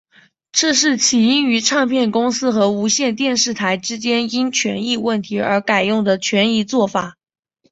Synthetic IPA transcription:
ʈ͡ʂɤ˥˧ʂ̬ɻ̩˥˩t͡ɕʰi˨˩i˥ny˧˥ʈ͡ʂʰɑ˥˧ŋpʰjɛ˥˩nkʊ˥ŋsɹ̩˥xɤ˧˥u˧˥ɕjɛ˥˧nt̪jɛ˥˧nʂɻ̩˥˩t̪ʰa˧˥ɪʈ͡ʂɻ̩˥t͡ɕjɛ˥ni˥nt͡ɕʰɥɛ̰˧˥ni˥˧wə˥˩nt̪ʰi˧˥ə̰˞˧˥ka˨˩ɪjʊ˥˩ŋd̪ə˩t͡ɕʰɥɛ˧˥ni˥˧t͡swɔ˥˩fa˨˩˦

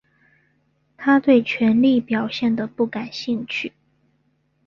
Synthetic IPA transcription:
t̪ʰa˥t̪we˥˩ɪt͡ɕʰɥɛ˧˥nli˥˩pjɑ˨˩ʊɕjɛ˥˩nd̪ə˩pu˥˩ka˨˩nɕi˥˧ŋt͡ɕʰy˥˩

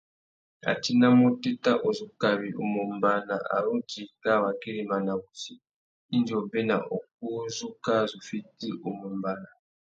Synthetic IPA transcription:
a̰˨t͡ʃi˦na˦mu˦ti˦ta˦ʔo˨zu˨ka˨βi˨ʔu˨mu˨mba˦na˨ʔa̰˨ɾu˦d͡ʒi˨ka˦˨wa˨ki˦ɾi˨ma˨na˨βu˨siː˨˦ | nd͡ʒɔ˨be˦na˨ʔo˨k̚u˦zu˦ka˦zʷu˨fi˦ti˦ʔu˨mu˨mba˨˦na˨

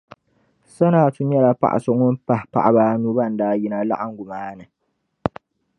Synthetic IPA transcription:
sa˦naː˨tu˦ɲ˦ɛ˦la˨pa̰˦ʔa̰˨sʊ˨ŋʊ˦m˦pa˦hpa̰˨ʔa˨baː˦nuː˦ba˦˨n̩˦daː˦ji˦na˨la̰˦ʔa˦ŋ˦ɡʷʊ˨maː˦nɨ˨

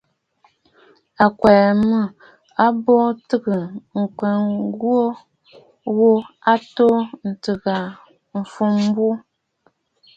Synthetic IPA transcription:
a˨kwɛ˨mɨ˦˨ | a˦bɔ˦tɨ˦ɡə˨ŋ̩˨kɛ˨ŋɡwo˦ | wo˦a˦to˦n̩˨tɨ˨ɣa˨ | m̩˨fu˦m˦bu˦

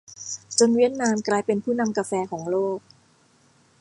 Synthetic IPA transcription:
t͡ɕo˧nwi˦˥˩ət̪̚naː˧mklaː˧jpe˧npʰuː˥˩na˧mka˧fɛː˧kʰɔː˩˦ŋloː˥˩k̚

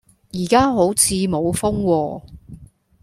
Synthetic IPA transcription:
jiː˨˩kaː˥ɦo˨˥wt͡sʰiː˨˧mo˨˧wfʊ˥ŋwɔː˧

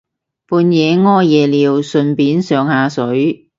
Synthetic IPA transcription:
puː˧njɛː˨˧ŋɔː˥jɛː˨˧liː˨˧wsɵ˨˧npiː˨˥nsœː˨ŋhaː˨˧sɵ˨˥ɥ

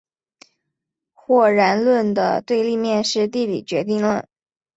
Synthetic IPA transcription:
xwɔ˥˩ɻa˧˥nlwə˥˩nd̪ə̰˩t̪we˥˧ɪli˥˧mjɛ˥˧nʂɻ̩˥˧t̪i˥˩lḭ˨˩t͡ɕɥɛ˧˥t̪̬i˥˧ŋlwə˥˩n

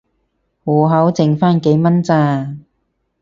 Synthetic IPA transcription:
hɔː˨˩ɦɐ˨˥wt͡sɪ˨ŋfaː˥nke˨˥jmɐ˥nt͡saː˧

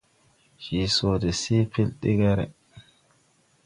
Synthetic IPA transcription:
hi˨so˨dɛ˨si˦pʰi˦lɗi˦ɡɛɾɛ̰

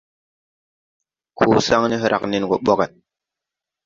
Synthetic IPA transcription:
kʰuː˨sa˦ŋni˦ɦɨ˦ɾa̰˨kni˦nɡo˨ɓɔ˦kɛ˨t̚

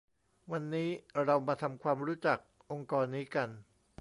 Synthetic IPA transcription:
wa˧nːiː˦˥ɾa˧wmaː˧t̪ʰa˧mkʰwaː˧mɾuː˦˥t͡ɕa˨˩k̚ | ʔo˧ŋkɔː˧nːiː˦˥ka˧n

